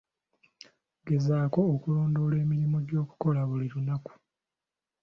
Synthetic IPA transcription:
ɡe̞zaːko̞ːkuloːndo̞ːle̞ːmiɾimoɟo̞ːku̥ko̞laβuliɾunaku̥

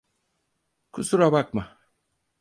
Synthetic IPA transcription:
kʰusuɾabak̚ma

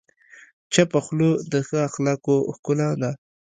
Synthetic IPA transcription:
t͡ʃapaxlod̪əxaaxlɑkoxkʊlad̪a

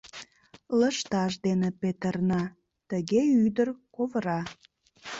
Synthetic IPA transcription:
ləʃt̪ɑʃd̪enepet̪ərnɑ | t̪əɣeyd̪ərkovəɾɑ

